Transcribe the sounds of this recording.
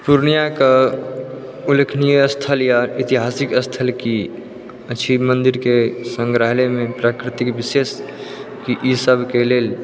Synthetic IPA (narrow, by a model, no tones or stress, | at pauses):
puɾnijakə | ulekʰnijeəst̪ʰəljait̪iɦasikəst̪ʰəlki | ət͡ʃʰimənd̪iɾkesə̃ŋɡɾaɦlemẽpɾakɾɪt̪ikbises | kiʔisəbʱkeleːl